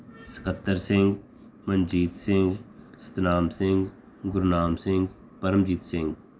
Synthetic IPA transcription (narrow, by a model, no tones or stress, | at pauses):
sɪ̥kət̪ːəɾsɪ̃ŋɡ | mənd͡ʒiːd̪sɪ̃ŋɡsə̥t̪naːmsɪ̃ŋɡ | ɡʊɾnaːmsɪ̃ŋɡ | pɐɾəmd͡ʒiːt̪sɪ̃ŋɡ